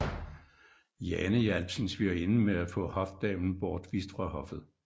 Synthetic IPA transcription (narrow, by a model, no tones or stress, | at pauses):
jɛnəjælb̥sənsʋie̝nəmeæfɔ̰̽hɒ̽fd̥ɛ̰ːn̩b̥ɒːd̥ʋiːsd̥fʁɑ̈hɒ̽fð̞̩ˠ